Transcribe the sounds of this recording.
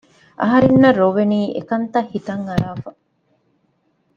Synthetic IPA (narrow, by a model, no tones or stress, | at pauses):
ʔɐ̰ɦɐɾenːɐɾoʋeniːʔḛkɐnt̪ɐhit̪ɐŋɐɾaːfɐ